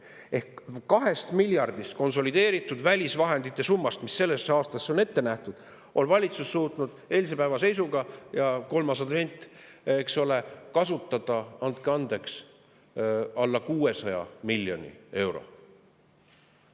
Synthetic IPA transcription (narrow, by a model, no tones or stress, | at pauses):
e̞hkkːɑɦe̞st̪milʲjɑrd̪̥ist̪̚ko̞nso̞lid̪e̞ːɾit̪ːˑud̪vælʲisvɑɦe̞nd̪it̪ːˑe̞sumːɑst̪misːe̞lːe̞sːeɑːst̪ɑsːeo̞ne̞t̪ːe̞næht̪ud̪̥ | ʔo̞nvɑlʲit̪susːuːt̪nud̪̥e̞ːlis̬e̞pæevɑse̞jsuɡɑjɑko̞lmɑsɑd̪ve̞nʲt̪ːˑekso̞le̞kɑsut̪ːˑɑd̪̥ɑɑnd̪̚keɑnd̪e̞ks | ɑlːɑkuːe̞sɑjɑ̰milʲːjo̞nʲḭe̞wɾo̞̰